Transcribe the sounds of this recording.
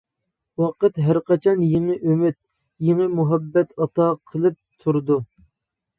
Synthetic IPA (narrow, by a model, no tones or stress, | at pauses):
wɑqət̪ɦæɾqɑt͡ʃʰɑnjeŋəʔømyt̪̚ | jeŋəmuɦɛbːɛt̪ɑt̪ɑqʰəlˠɨp̚t̪ʰuɾd̪u